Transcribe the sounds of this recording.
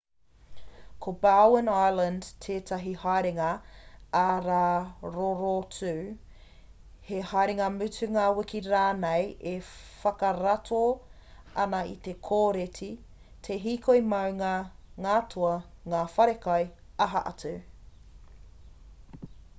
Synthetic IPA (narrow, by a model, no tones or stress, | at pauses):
kʰobawwənajlɐndtʰeːtʰɐɦihajɾeŋɐaɾaːɾoɾotʉː | hehajɾeŋɐmʉtʉŋawɪkiɾaːnejʔefɐkɐɾatʰo | ɐnɐḭt̪ekʰoːɾetʰi | tʰeɦiːkʰoimɐwŋaŋaːtʰuɐŋaːfɐɾekɐj | ɐɦɐʔɐ̰tʉ